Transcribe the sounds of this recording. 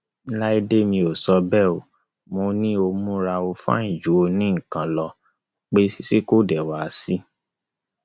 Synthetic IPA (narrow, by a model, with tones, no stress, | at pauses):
la˦i˦de˦mĩ˧o˨sɔ˧bɛ˦˨o˨ | mo˧nĩ˦o˧mũ˦ɾa˧o˧fã̰˦ĩ˨d͡ʒu˨˦o˧nĩ˦ŋ̩˨kã˨˧lɔ˧ | k͡pe˦se˦ko˦˨dɛ˨wa˨˦si˦